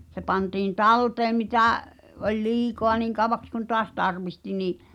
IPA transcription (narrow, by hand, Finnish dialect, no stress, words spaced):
se pɑntiːn tɑlteːm mitæˑ olʲ liːkoɑ niːŋ kɑˑw̆ʋɑks kun toɑs tɑrʋihti niʔ